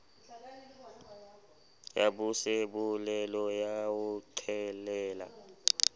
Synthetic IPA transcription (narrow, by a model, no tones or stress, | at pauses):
jabusebulɛlɔjawuǀʰɛlɛːla̰